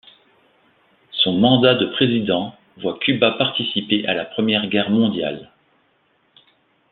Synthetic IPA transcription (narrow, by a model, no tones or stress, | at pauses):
sɔ̃mɑ̃d̪ad̪əpχezid̪ɑ̃ | vwakʲybapaʁt̪isipeʔalapχəmjɛʁɡʲɛʁmɔ̃d̪ja̰l